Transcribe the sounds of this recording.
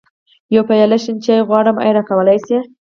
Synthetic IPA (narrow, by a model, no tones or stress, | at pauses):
jawpajalaʃint͡ʃejɣwɑɽəma̰jɾɑkawəlajse